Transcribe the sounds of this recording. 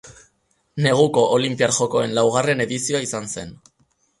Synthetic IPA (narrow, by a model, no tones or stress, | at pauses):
ne̞ɣ̞uko̞ʔolimpiaɾʝo̞ko̞e̞nlawɣ̞are̞ne̞ðisioaisanse̞n